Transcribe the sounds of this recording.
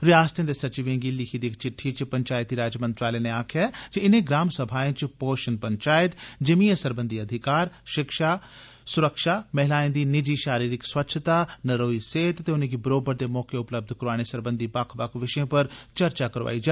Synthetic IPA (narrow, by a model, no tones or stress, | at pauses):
ɾɪjaːst̪ʰẽd̪esɐt͡ʃɪʋẽːŋɡilɪkʰid̪ikt͡ʃɪʈʰːit͡ʃpɐ̃ɲt͡ʃaːjt̪iɾaːd͡ʒjəmə̃nt̪ɾaːleneaːkʰjad͡ʒeɪnẽɡɾaːmsɐbʱaːjẽt͡ʃpoːʃənpɐ̃ɲt͡ʃaːɪt̪d͡ʒɐmiːəsəɾbə̃nd̪ʱiɐd̪ʱɪkaːɾʃɪkʃa | sʊɾəkʃaːmɛɦɪlaːẽnd̪inɪd͡ʒiʃaːɾiːɾɪkswɐt̪ːʃʰt̪aːnɐɾoːiseːt̪t̪eʊnẽɡibɾoːbəɾd̪emɔːkeʊpləb̚d̪ʱkʊɾaːɽ̃esɐɾbə̃nd̪ʱibakʰbɐkʰʋɪʃjõpɐɾt͡ʃɐɾt͡ʃakɐɾʋa̰ːid͡ʒa